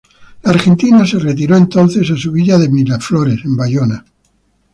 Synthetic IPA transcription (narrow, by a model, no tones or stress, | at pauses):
laːɾxe̞nt̪inase̞ret̪̬iɾo̞ent̪onθe̞s̬asuβiʎaðemiɾafloɾe̞se̞mbaʝona